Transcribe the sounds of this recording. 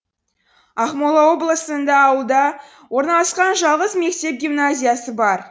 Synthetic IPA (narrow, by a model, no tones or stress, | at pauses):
ɑχmolˠɑwo̞blˠəsənd̪ɑːwəlˠd̪ɑ | wo̞ɾnɑlˠɑsqɑnʒɑlˠʁəzme̞kt̪e̞p̚ɡʲimnazʲijasəbɑɾ